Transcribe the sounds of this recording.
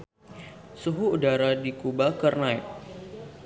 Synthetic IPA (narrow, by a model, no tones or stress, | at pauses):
suɦuːdaɾadikubakərnait̚